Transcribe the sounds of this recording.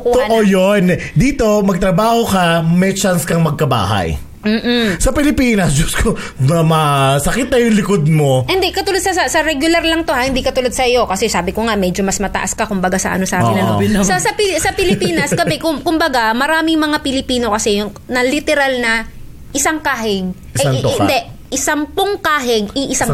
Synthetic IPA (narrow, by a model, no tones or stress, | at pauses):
kʊonʔojond̪iːt̪o̞mɐɡ̚t̪ɾɐbaːhokɐmɛt͡ʃanskɐŋmɐɡ̚kɐba̰ːhɐ̰j | m̩ːsɐpɪlɪpiːnɐs̬d͡ʒʊskʰo | mɐmɐsɐkɪt̪̚nɐjʊŋlɪkod̪̚mo̞ʔɪnd̪ɛkɐt̪ʊlod̪sɐɐsɐɾɛɡjʊlaɾlɐŋt̪ohahɪnd̪ikɐt̪ʊlod̪̚sɐjo̞kɐsɛsaːbɪkoŋaʔmɛd͡ʒomɐsmɐt̪ɐʔaskɐkʊmbɐɡasɐ̰ʔɐ̰nosaːɪlɐnsɐsɐpɪsɐpɪlɪpiːnɐskɐbɛkʊkʊmbɐɡamɐɾaːmɪŋmɐŋapɪlɪpiːno̞kɐsɛjʊŋ | nɐlɪt̪ɛɾalnɐ | ʔɪsaŋkaːɦɪɡ̚ʔsɐjaɪnd̪ɛ | ʔɪsampoŋkaːɦɪɡ̚ɪʔɪsa